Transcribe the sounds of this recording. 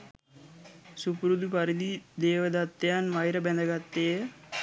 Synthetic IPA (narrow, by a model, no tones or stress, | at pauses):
supɾud̪upɐɾid̪id̪eːʋɐd̪at̪ːjanʋɐjɾɐbɛnd̪ɐɡat̪ːeː